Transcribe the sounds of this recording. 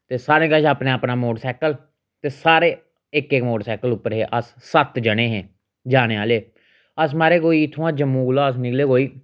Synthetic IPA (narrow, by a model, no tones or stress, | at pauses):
t̪eːsaːɾẽːɡəʃaːpneːaːpnaːmoːɖsɛːkəl | t̪eːsaːɾeː | ɪkekmoːɖsɛːkəlʊpːəɾɦeːʔəsːət̪d͡ʒəɽ̃eːɦɛ̃ː | d͡ʒaːneːaːleː | əs̬maːɾeːɡoːiːɪt̪ʰõãːd͡ʒəmːũːɡlaːəs̬nɪkleːɡoːiː